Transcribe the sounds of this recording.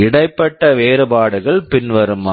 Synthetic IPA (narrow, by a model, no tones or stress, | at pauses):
ɪɽɐɪpːɐʈːɐʋeːɾɯbaːɽɯɣɐɭpɪnʋɐɾɯma